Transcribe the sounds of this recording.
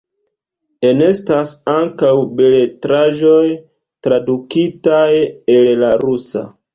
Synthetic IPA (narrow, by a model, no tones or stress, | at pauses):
e̞ne̞stasaŋkawbe̞letɾaʒo̞j | tɾadukitaje̞llaɾusa̰